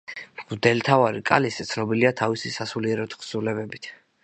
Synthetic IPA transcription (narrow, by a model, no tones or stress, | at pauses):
bd̪ɛlt̪ʰavaɾikʼa̰lisɛt̪sʰnɔbiliat̪ʰavisisasuliɛɾɔt̪χʰsulɛbɛbit̪ʰ